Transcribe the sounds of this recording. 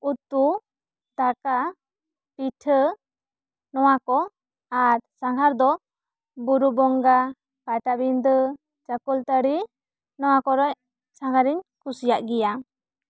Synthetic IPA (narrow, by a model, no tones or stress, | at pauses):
ut̪u | d̪aka | pitʰə | nɔwakɔ | aɾsaŋɡʰʱaɾd̪ɔ | buɾubɔŋɡa | pajt̪abind̪ɯ | d͡ʒakult̪əɽi | nɔwakɔɾɔj | saŋɡaɾiɲkusijaʔɡija